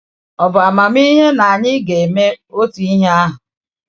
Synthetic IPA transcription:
ɔ˨bʊ˨a˨ma˨m˦i˦ɦe˦na˨a˨ɲɪ˦ɡe˨e˨me˦o˦tu˨˦i˦ɦe˦a˦ɦʊ˨

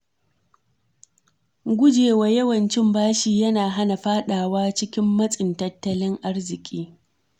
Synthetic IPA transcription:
ɡʷʊ˦d͡ʒeː˨waː˦jɐ˦wɐ˨nt͡ʃɪ˦mbaː˦ʃiː˨jɐ˦naː˨ɦa˦na˨ɸaː˦ɗaː˨waː˦t͡ʃɪ˦kʲɪ˦mːɐ˦sʼɪ˨ntɐ˦tːɐ˦lɪ˦ŋʔa˦rzɪ˨kʲʼiː˦

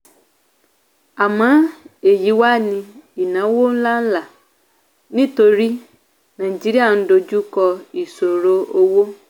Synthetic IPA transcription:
a˨mã˦e˨ji˨wa˦nĩ˦i˨nã˨˦wo˦n̩˦la˦n̩˦la˨ | nĩ˦t̪o˨ɾi˦ | nã˨d͡ʒi˨˦ɾi˦a˨n̩˦ɖo˨d͡ʒu˦kɔ˦i˨so˨ɾo˦o˦wo˦

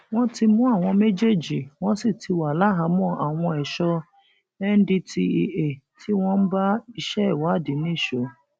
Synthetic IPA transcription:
w̃ɔ̃˦ti˧mũ˦a˦˨w̃ɔ̃˧me˦d͡ʒe˦d͡ʒi˨w̃ɔ̃˦si˦˨tʰi˧wa˨la˦ɦa˨˦mɔ̃˦˨a˨w̃ɔ̃˧ɛ˨ʃɔ˧ | ɛ˦n̩˦di˧tʰi˧i˧e˨ | tʰi˦w̃ɔ̃˦n̩˦ba˦i˧ʃɛ˦˨wa˨˦˨di˨˦nĩ˦˨ʃo˨˦

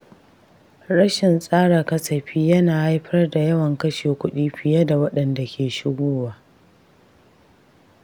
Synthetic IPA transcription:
ɽɐ˦ʃɪ˨nsʼaː˦ɽaː˨kɐ˦sɐ˨ɸiː˦jɐ˦naː˨ha˦jɸɐ˦rda˨jɐ˦wɐ˨ŋkɐ˦ʃeː˨kʷʊ˦ɗiː˦ɸɪ˨ja˦da˨wɐ˦ɗɐ˨nda˨kʲʰeː˨ʃɪ˦ɡʷoː˦waː˨

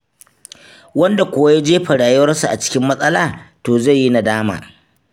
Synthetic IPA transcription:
wɐ˦nda˨kʷʊ˨wa˦ja˦d͡ʒeː˦ɸɐ˨ɽaː˨jɪ˦wɐ˦rsu˨ʔa˨t͡ʃɪ̥˦kʲɪ˦mːɐ˦sʼɐ˦laː˨toː˨za˦˨jːi˦na˨daː˦ma̰ː˨

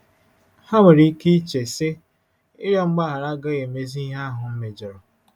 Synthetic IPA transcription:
ha˦ŋe˨ɾi˦ki˦t͡ʃe˨se˦ | ɪ˦ɾjɔ˦ŋ͡m̩˦ɡ͡ba˦ɦa˨ɾa˦ɡɔ˦ɣe˨me˦zi˦i˦ɦa˦ɦʊ˨m̩˦me˨d͡ʒɔ˨ɾɔ˨

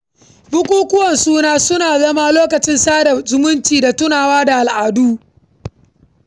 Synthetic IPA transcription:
bʊ˦kʷʼuː˦kʷʊ˦wɐ˨nsuː˦naː˦sʊ˦naː˨zɐ˦ma˦loː˦kɐ˨t͡ʃɪ˦nsaː˦da˨zʊ˦mʊ˦nt͡ʃiː˨da˨tʊ˦naː˨waː˦da˨ʔa˨lʔaː˨duː˦

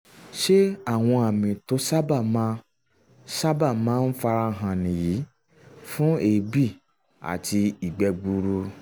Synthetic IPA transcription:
ʃe˦a˦˨w̃ɔ̃˧a˨mĩ˨to˨˦sa˦ba˦˨ma˧ | sa˦ba˦˨mãː˨˦n̩˦fa˧ɾa˧ɦã˧nĩ˨ji˨˦ | fũ˦e˨bi˦˨ | a̰˨ti˧i˨ɡ͡bɛ˧ɡ͡bu˧ɾu˧

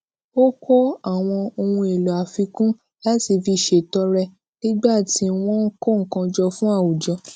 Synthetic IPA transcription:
o˦ko˦a˦˨w̃ɔ̃˧o˧ũ˧e˨lɔ˨a˨fi˧kũ˦ | la˦si˨fi˧˨ʃe˨tɔ˧ɾɛ˧ | nĩ˦ɡ͡ba˦˨ti˨˦w̃ɔ̃˦ŋ̩˦ko˦˨ŋ̩˨kã˧d͡ʒɔ˧fũ˦a˦˨wu˨d͡ʒɔ˧˦

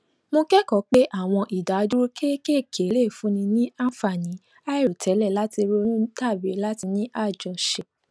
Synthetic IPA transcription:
mõ˧kɛ˦kɔ˨˦k͡pe˦ʔa˦˨w̃ɔ̃˧ʔi˨da˨˦du˦ɾu˦ke˦ke˦˨kʰe˨˦le˦˨fũ˨˦nĩ˧nĩ˦a˦˨fa˨nĩ˨˦ | a˦i˦˨ɾo˨tʰɛ˨˦lɛ˦˨la˦ti˧ɾo˧˦nũ˦ta˦˨be˨˦la˦ti˧nĩ˦ʔa˦˨d͡ʒɔ̃˨ʃe˨

